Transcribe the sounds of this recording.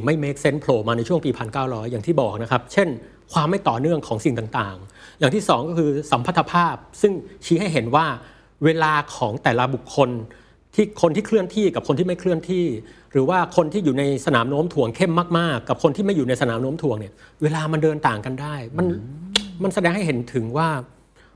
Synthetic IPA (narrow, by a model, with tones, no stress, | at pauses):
ma˥˩jmeː˦˥k̚se˦˥npʰloː˧maː˧na˧jt͡ɕʰu˥˩əŋpiː˧pʰa˧nkaː˥˩wɾɔː˦˥jːaː˨˩ŋt̪ʰiː˥˩bɔː˨˩k̚na˦˥kʰa˦˥p̚t͡ɕʰe˥˩n | kʰwaː˧mːa˥˩jt̪ɔː˨˩nɯ˥˩əŋkʰɔː˩˦ŋsi˨˩ŋt̪aː˨˩ŋt̪aː˨˩ŋjaː˨˩ŋt̪ʰiː˥˩sɔː˩˦ŋkɔː˥˩kʰɯː˧sa˩˦mpʰa˦˥˩t̪ʰa˧pʰaː˥˩p̚sɯ˥˩ŋt͡ɕʰiː˦˥ɦa˥˩jɦe˩˦nwaː˥˩ | weː˧laː˧kʰɔː˩˦ŋt̪ɛː˨˩la˦˧bu˨˩kʰːo˧n | t̪ʰiː˥˩kʰo˧nt̪ʰiː˥˩kʰɾɯ˥˩ənt̪ʰiː˥˩ka˨˩p̚kʰo˧nt̪ʰiː˥˩ma˥˩kʰɾɯ˥˩ənt̪ʰiː˥˩ | ɾɯː˩˦waː˥˩kʰo˧nt̪ʰiː˥˩juː˨˩na˧jsa˧naː˩˦mnoː˧˦˥mt̪ʰu˨˩˦əŋkʰe˥˩mːaː˥˩k̚maː˥˩kːa˨˩p̚kʰo˧nt̪ʰiː˥˩ma˥˩juː˨˩na˧jsa˧naː˩˦mno˧˦˥mt̪ʰu˧˦əŋni˥˩ɐweː˧laː˧ma˧ndɤː˧nt̪aː˨˩ŋka˧ndaː˥˩jma˧nma˧nsa˧dɛː˧ŋɦa˥˩jɦe˩˦nt̪ʰɯ˩˦ŋwaː˥˩